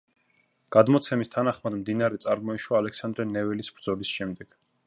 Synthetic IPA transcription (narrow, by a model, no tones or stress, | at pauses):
ɡ̥ad̪mɔt̪sʰɛmist̪ʰanaχmad̪md̪inaɾɛt̪sʼaɾmɔiʃwaːlɛksand̪ɾɛnɛvɛlisb̥ɾd̪zɔlisʃɛmd̪ɛɡ̥